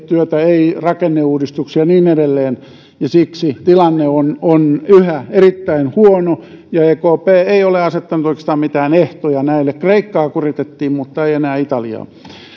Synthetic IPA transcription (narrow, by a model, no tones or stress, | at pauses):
t̪yøt̪æeirɑkenːeuːdist̪uksiɑniːneɾelːeːn | jɑsiksit̪ilɑnːeononyhæerit̪ːæinhuonojɑeːkoːpeːeioleɑset̪ːɑnut̪oikest̪ɑːmmit̪æːneht̪ojɑnæilːekkreikːɑːkurit̪et̪ːiːmmut̪ːɑeienæːit̪ɑlḭɑ̰ː